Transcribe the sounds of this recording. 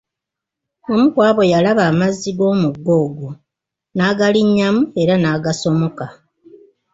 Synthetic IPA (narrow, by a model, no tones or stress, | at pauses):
o̞mukwaːβo̞jalaβaːmazːiɡo̞ːmuɡːo̞ːɡo | naːɡaliɲːamue̞ɾanaːɡaso̞mo̞ka